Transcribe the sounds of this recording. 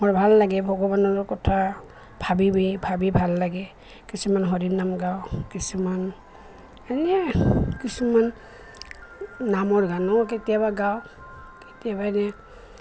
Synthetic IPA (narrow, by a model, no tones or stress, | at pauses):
mɔɹbʱalːaɡɛbʱɔɡɔbanɔɹkɔtʰa | bʱabibibʱabibʱalːaɡɛ | kisumanɦɔdinamɡawkisuman | ɛnɛkisuman | amɔɹɡanɔketijaβaɡaw | ketijabaɛnɛ